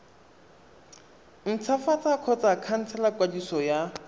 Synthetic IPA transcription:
n̩t͡sʰafat͡sakʰɔt͡sakʰan̩t͡sʰɛlakwadisɔja

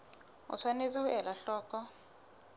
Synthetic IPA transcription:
ṵt͡sʰwanet͡sahuʔɛlaɬɔːkɔ

